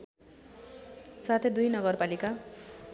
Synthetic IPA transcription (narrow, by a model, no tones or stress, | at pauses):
sat̪ʰed̪ujnʌɡʌrpalika